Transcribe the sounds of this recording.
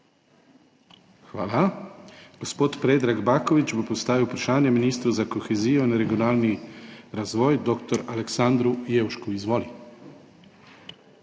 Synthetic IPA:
xʋaːla | ɡ̥ospoːt̪pɾeːd̪ɾaɡbaːkɔʋit͡ʃbopɔst̪aːʋiwpɾaʃaːnjɛminiːst̪ɾuzakɔxɛziːjɔinɾɛɡiɔnaːlniɾazʋɔːjd̪oːkt̪ɔɾalɛksand̪ɾujeːwʃkuizʋɔːli

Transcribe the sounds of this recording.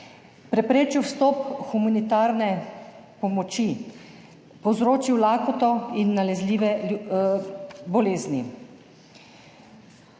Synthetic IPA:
pɾɛpɾeːt͡ʃiwst̪ɔpxumanit̪aːɾnɛ | pɔmɔt͡ʃi | pɔwzɾoːt͡ʃiwlaːkɔt̪ɔinːalɛzliːʋɛ | bɔleːzni

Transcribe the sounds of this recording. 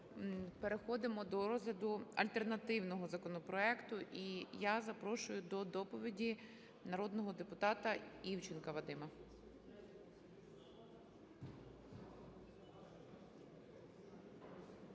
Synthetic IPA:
peɾexɔd̪ɪmɔd̪ɔɾɔzɦlʲɐd̪ʊɐ̰lʲt̪e̞rnɐt̪ɪwnɔɦɔzɐkɔnɔpɾɔɛkt̪ʊʔijazɐpɾɔʃʊjʊd̪ɔd̪ɔpɔʋʲidʲi | nɐɾɔd̪nɔɦɔd̪epʊt̪ɑt̪ɐiwt͡ʃɪnkɐʋɐd̪ɪmɐ

